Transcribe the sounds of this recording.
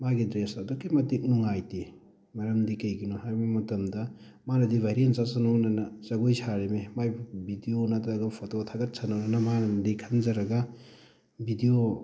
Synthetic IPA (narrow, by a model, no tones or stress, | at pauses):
maɡidɾesadokːimɐtik̚nuŋajti | mɐɾɐmdikɐjɡinohaɾimimɐtɐmdɐ | manɐdibʱaɾientsasɐnonɐnɐzɐɡojsʰaɾememajbʱidionatɾɐɡɐpʰototʰaɡɐt̚sanonɐnɐmanɐmɐdikʰɐnzɐɾɐɡɐ | bʱidio